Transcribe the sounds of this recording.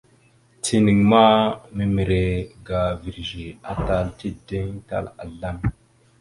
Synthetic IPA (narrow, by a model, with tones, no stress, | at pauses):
ti˨ni˨ŋma˦mi˨mi˨ɾe˨ɡa˨vi˨ɾʒi˨a˨ta˨lti˦de˦ŋta̰˦˨la̰˨ɮa˦m